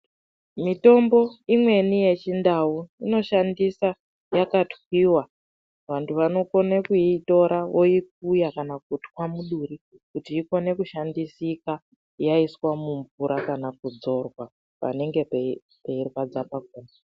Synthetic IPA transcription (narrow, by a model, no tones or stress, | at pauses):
mito̞mbo̞imwe̞nije̞t͡ʃindauino̞ʃandisa | jakatwiwa | ʋantʰuʋano̞ko̞nekuito̞ɾaʋo̞ik̚ujakanak̚utkwamuɗuɾi | kutiːko̞ne̞kuʃandisika | jaiswamuɱvuɾakanakud͡zo̞rwa | pa̰ne̞ŋɡe̞pe | peirwad͡zapak̚uːna